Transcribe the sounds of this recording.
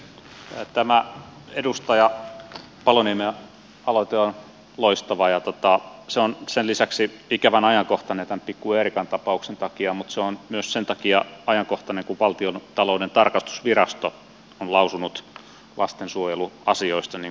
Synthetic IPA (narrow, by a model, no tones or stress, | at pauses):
t̪æmæedust̪ɑjɑ | pɑlonieme | ɑlot̪eon | loist̪ɑʋɑjɑt̪ot̪ɑseonsellisæksiikæʋænɑjɑŋkoht̪ɑnet̪æmpikːuerikɑnt̪ɑpɑuksent̪ɑkiɑmut̪seonmyøssent̪ɑkiɑɑjɑŋkoht̪ɑneŋkuʋʋɑlt̪iont̪ɑloˑudent̪ɑrkɑst̪u̥sʋirɑst̪o | onlɑusunut̪ | lɑst̪ensuojeluɑsioist̪ɑni